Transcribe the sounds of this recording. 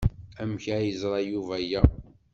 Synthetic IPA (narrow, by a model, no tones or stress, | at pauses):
æmçæjəzɾˤɑjuvæjæ